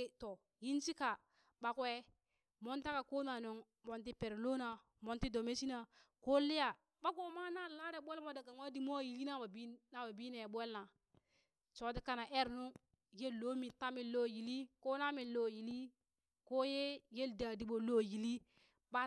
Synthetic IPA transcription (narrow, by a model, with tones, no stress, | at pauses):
to˨ | ji˦nt͡ʃi˦ka˨ | ɓa˨kwe˦ | mo˦nta˦ka˨ko˦na˨no˨ŋ | mo˨nt̬i˦pe˨ɾlo˦na˨ | mo˨nti˦do˨me˦t͡ʃi˦na˨ko˦li˦ja˨ | ɓa˦ɡo˨ma˦na˦la˦ɾe˨˦ɓʷe˦lmo˦da˨ka˨ŋwa˦di˦mo˦˨ji˨li˦na˦ba˨bi˦na˨ba˨bi˦ne˨ɓwe˦lna˨ | t͡ʃo˨˦di˦ka˦na˨ʔe˦ɾnu˦ | je˦lːo˦mi˨ta˦mi˨lːo˦ji˨li˦ko˦na˦mi˨lo˦ji˨li˦ | ko˦je˦je˦lda˨di˨ɓo˨lo˦ji˨li˦ | ɓa˦